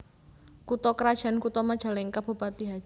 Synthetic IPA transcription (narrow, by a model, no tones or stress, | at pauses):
kut̪ɔkəɾad̥ʒ̥a̤nkut̪ɔmad̥ʒ̥a̤lɛŋkab̥o̤bat̪iɦḁ